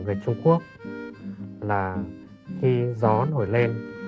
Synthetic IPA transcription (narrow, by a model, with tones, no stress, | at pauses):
ve˧˨˩t͡ɕʊ˧ŋ͡mku˦˥ək̚ | laː˨˩ | xi˧zɔ˨˦nɦo˧˩jle˧n